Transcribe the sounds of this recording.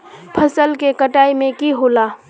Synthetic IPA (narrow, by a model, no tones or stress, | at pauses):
pʰəsəlkekəʈaːimẽkiɦoːlaː